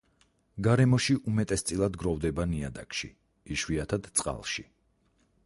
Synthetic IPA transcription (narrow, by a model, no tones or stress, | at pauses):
ɡaɾɛmɔʃiʔumɛt̪ʼɛst̪sʼilˠad̪ɡɾɔvd̪ɛbania̰d̪a̰kʼʃḭ | iʃwiat̪ʰad̪̥t̪sʼqʼa̰lˠʃi